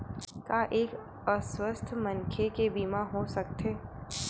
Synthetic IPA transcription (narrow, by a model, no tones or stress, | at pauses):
kaʔeːk | əswəst̪ʰmənkʰekebiːmaɦosɐk̚t̪eː